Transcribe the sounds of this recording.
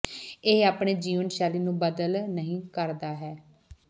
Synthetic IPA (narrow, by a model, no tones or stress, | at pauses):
eːaːpɳeːd͡ʒiːʋənʃaːliːnũːbəd̪əlnəɦĩːkəɾd̪aːɦɛː